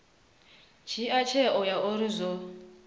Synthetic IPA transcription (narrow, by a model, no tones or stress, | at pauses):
t͡ʃʰiat͡ʃʰɛʔɔjaʔoɾizɔ